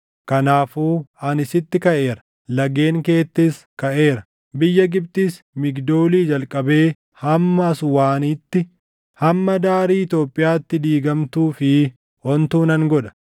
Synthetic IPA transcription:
kɐnaːfuːɐnɪsɪt̪ːɪkɐʔe̞ːɾɐ̥ | lɐɡe̞ːŋke̞ːt̪ːɪs | kɐʔe̞ːɾɐ | bɪjːɐɡɪb̚t̪ɪs | mɪɡd̪o̞ːliːd͡ʒɐlkʼɐbe̞ː | hɐmːɐːsʊwaːnit̪ːɪ | hɐmːɐd̪aːɾiːɪt̪joːpʼːɪjaːt̪ːɪd̪iːɡɐmt̪uːfɪ | hɔnt̪uːnɐŋɡɔᶑɐ̥

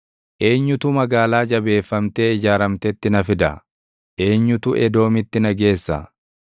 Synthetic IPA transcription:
ʔe̞ːɲːʊt̪ʊmɐɡaːlaːd͡ʒɐbe̞ːfːɐmt̪e̞ːɪd͡ʒaːɾɐmt̪ɛt̪ːɪnɐfɪd̪ɐ | ʔe̞ːɲːʊt̪ʊʔɛd̪o̞ːmɪt̪ːɪnɐɡe̞ːsːɐ̰

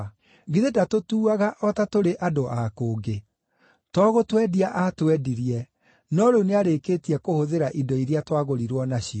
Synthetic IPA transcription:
ɣiðedatotuːaɣaʔɔtatoɾeʔadoʔakoːɡe | tɔɣotwɛdiaʔatwɛdiɾiɛ | nɔɾoneaɾekeːtiɛkohoðeɾaʔidɔiɾiatwaɣoɾiɾwɔnaɕi

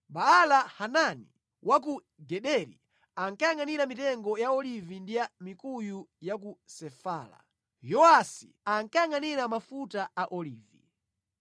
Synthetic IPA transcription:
ɓaːlahanani | wʔaku | ɡɛɗɛɾḭ | aŋkajaŋaniɾamitɛŋɡɔjaɔlivindijamikujujakusɛfaːla̰ | jɔasḭ | aŋkajaŋaniɾamafutaaʔɔliːvḭ

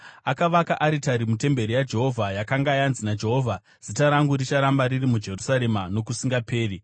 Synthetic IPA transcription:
akaʋakaʔaɾitaɾimute̞mbe̞ɾijad͡ʒe̞ɦo̞vʱajakaŋɡajanzinad͡ʒe̞ɦovʱa | z̥itaɾaŋɡuɾit͡ʃaɾambaɾirimud͡ʒe̞rusaɾe̞mano̞kusiŋɡape̞ːri

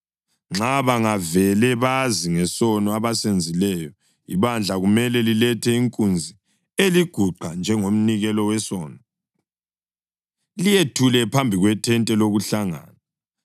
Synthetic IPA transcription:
ŋ͡ǁaβaŋavɛlɛβaziŋɛsɔnɔaβasend͡zʱilɛjɔ | iβand͡ɮʱaɣumɛlɛlilɛtʰɛiŋkʼund͡zʱi | eliɡ̥ʱuǃʱand͡ʒʱɛŋom̩niɣɛlɔwɛsɔːnɔ | lijetʰulɛpʰambʱiɣwɛtʰɛntʼɛloɣuɬaŋa̰ːna

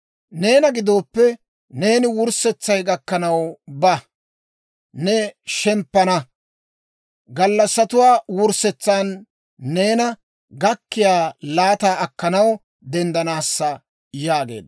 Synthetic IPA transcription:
ne̞ːnɐɡɪd̪o̞ːpːɛ | ne̞ːnɪwʊɾsɛt͡sːɐjɡɐkːɐnɐwbɐ | nɛʃɛmpːɐnɐ | ɡɐlːɐsːɐt̪ʊwaːwʊɾsɛt͡sːaːnː | e̞ːnɐ | ɡɐkːɪjaːlaːt̪aːɐkːɐnɐw | d̪ɛnd̪ɐnaːsːɐ | jaːɡe̞̰ːd̪

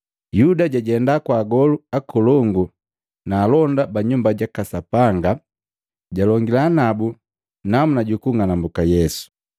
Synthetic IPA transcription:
judaɟaɟɛndakwaːɡɔluakɔlɔŋɡu | naːlɔndabaɲumbaɟakasapaŋɡa | ɟalɔŋɡilaːnabu | namunaɟukuŋanambukajɛsu̥

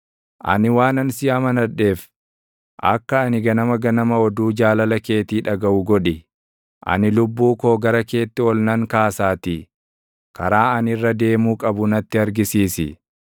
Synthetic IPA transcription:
ʔɐ̰nɪwaːnɐnsɪamɐnɐᶑe̞ːf | ʔɐ̰kːɐːnɪɡɐnɐmɐɡɐnɐmɐɔd̪uːd͡ʒaːlɐlɐke̞ːt̪iːᶑɐɡɐʔʊɡɔᶑɪ | ʔɐ̰nɪlʊbːuːkoːɡɐɾɐke̞ːt̪ːɪɔlnɐŋkaːsaːt̪i | kɐɾaːɐnɪrːɐd̪e̞ːmuːkʼɐbʊnɐt̪ːɪɐɾɡɪsiːsɪ̰

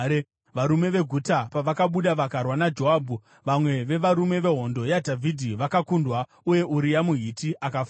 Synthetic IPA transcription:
ʋaɾume̞ʋe̞ɡʱutapaʋakaɓuɗaʋakarwanad͡ʒo̞ɦaːbʱu | ʋamwe̞ʋe̞ʋaɾume̞ʋe̞ɦo̞ndo̞jadʱavʱidʱiʋakakundwa | uje̞ʔuɾijamuɦitiʔakaf

